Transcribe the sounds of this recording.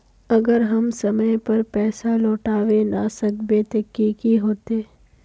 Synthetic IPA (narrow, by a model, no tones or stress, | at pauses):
ɐɡəɾɦɐmsɐməjpɐɾpɛːsaloːʈaːʋenasɐkbet̪əkːiːkiɦoːt̪eː